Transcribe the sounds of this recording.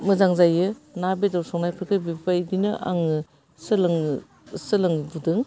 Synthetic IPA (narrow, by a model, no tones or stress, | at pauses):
mɯzaŋzajɯnabedawsɔŋnajpʰɯɾkɯbipajdinɯʔa̰ŋɯ | sɯlŋ | sɯlɯŋbudɯŋ